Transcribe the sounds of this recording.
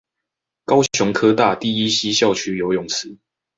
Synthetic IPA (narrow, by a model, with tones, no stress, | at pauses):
kɑ˦ʊɕjʊ˧˦ŋkʰɤ˦t̪a˥˨t̪i˥˨i˦ɕi˦˥ɕjɑ˥˨ʊt͡ɕʰy˥jo˨˥ʊjʊ˥˨ŋs̩˨˦